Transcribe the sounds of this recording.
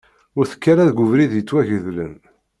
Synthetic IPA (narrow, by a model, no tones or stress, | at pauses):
ʊɾθə̥kːaɾaðɡʊvɾiðjət͡sːwæʝəðlə̰n